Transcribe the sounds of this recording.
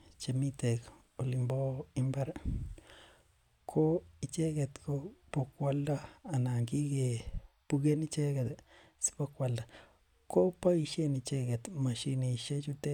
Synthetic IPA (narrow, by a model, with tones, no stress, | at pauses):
t͡ʃe˨mi˦t̪e˨k | o˨li˨mbo˦i˦mba˦ɾ | kʰo˦i˨t͡ʃe˦ɡe˨t̪ko˦po˨kwa˦lda˦a˨na˨ŋɡi˦ɡe˨pu˦ɡe˦ni˦t͡ʃe˦ɡe˨t̪ | si̥po˦kwa˨lda˨ | ko˦pa˦i˧ʃe˦ni˧t͡ʃe˦ɡe˨t̪ma˨ʃi˧ni˨ʃe˦t͡ʃu˦t̪e˦